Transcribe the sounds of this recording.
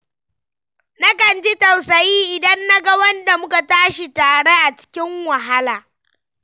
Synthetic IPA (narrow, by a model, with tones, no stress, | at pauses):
na˦kɐ˨nd͡ʒi˦tɐ˨wsɐ˨jiː˦ʔɪ˨dɐ˦nːa˦ɡɐ˦wɐ˦nda˨mʊ˦ka˨taː˦ʃi˨taː˨ɽe˦ʔa˨t͡ʃɪ̥˦kʲɪ˦ŋwɐ˨ɦa˦laː˨